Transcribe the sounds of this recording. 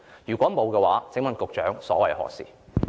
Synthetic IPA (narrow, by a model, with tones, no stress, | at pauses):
jyː˨˩kʷɔː˨˥mo˨˧wkɛ˧waː˨˥t͡sɪ˨˥ŋmɐ˨˧nkʊ˨k̚t͡ʃœː˨˥ŋsɔː˨˥wɐ˨jhɔ̰ː˨˩sḭː˨